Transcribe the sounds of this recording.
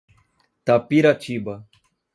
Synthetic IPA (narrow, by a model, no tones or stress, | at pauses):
t̪apiɾat͡ʃiba